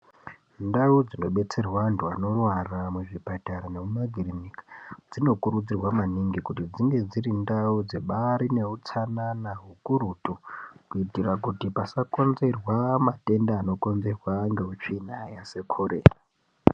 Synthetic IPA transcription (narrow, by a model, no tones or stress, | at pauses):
ndaud͡zino̞ɓe̞t͡se̞rwantuano̞rwaramuʐipataɾane̞mumaɡʱirinikḁd͡zino̞kuɾud͡zirwamaniŋɡikutid͡ziŋɡe̞d͡ziɾindaud͡ze̞ɓaɾine̞ut͡sananaɦukuɾutokuitirakutipasako̞nze̞rwamate̞ndaːno̞ko̞nze̞rwaŋɡe̞ut͡ʃiːnajase̞kʰo̞ɾḛːra